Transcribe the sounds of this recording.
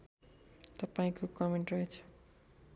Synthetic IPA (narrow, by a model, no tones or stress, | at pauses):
t̪ʌpaĩkokʌmeɳʈrʌet͡sʰʌ̥